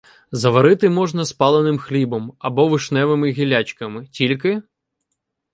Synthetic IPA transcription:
zɐʋɐɾɪt̪ɪmɔʒnɐspɑlˠenɪmxlʲibɔmɐbɔʋɪʃnɛʋɪmɪɣʲilʲat͡ʃkɐmɪtʲilʲkɪ

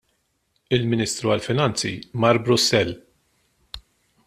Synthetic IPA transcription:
ɪlmɪniːst̪ɾuɐlfɪnɐnt͡sḭmɐɾbɾʊsːɛlː

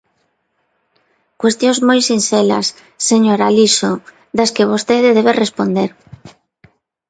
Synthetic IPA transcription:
kwest̪jõŋzmojsinθelɐ̰sː | eɲoɾaliso | ðaskɪβ̞ost̪eðɪðeβerespond̪eɾ

